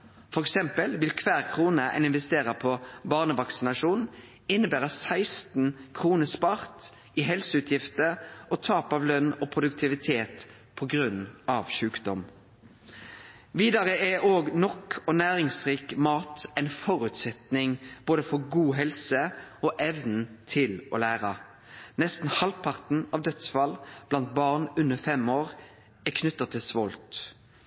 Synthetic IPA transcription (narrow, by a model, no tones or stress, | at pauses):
fɔʁɛksɛmpəlʋɪlkʰʋæːʁkʰʁuːnəɛ̰ɪnɪnʋɛst̪eːʁəpʰɔbɑːʁnəʋɑksɪnɑʂuːnn | ɪnːəbæːʁəsæɪst̪n̩kʰʁuːnəspɑʁt̪ | ɪɦɛlsəʉt̪ʰjɪft̪əʔɔt̪ʰɑːpɑʋlœnːɔpʰʁʊd̪ʉkt̪ʰɪʋɪt̪ʰeːt̪ | pʰɔɡʁʉnɑʋʃʉːkd̪ɔm | ʋiːd̪ɑʁəæoːɡnɔkɔnæːʁɪŋsʁiːkmɑːt̪æɪnfɔʁʉt̪sɛt̪nɪŋb̥oːd̪əfɔɡuːɦɛlsəɔʔɛʋnn̩t̪ʰɪlɔ̰læːʁɑ | nɛst̪n̩hɑlpʰɑʁt̪n̩ɑʋd̪œt̪sfɑlb̥lɑnt̪̚bɑʁnʉnːəfɛmoːʁ | ɛkʰnʉt̪ːɑt̪ʰɪlsʋɔlt̪